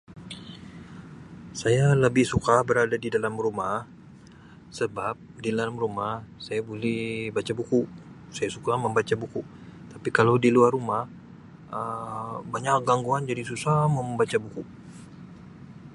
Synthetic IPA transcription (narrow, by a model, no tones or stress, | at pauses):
sajaləbɪhsukabəɾadadidalamrumah | səbap̚dilalamrumahsajabolɛhbat͡ʃabuku | sajasukaməmbat͡ʃabuku | t̪apikalawdiluarumah | əbaɲak̚ɡaŋɡuand͡ʒadisusahmoməmbat͡ʃabuku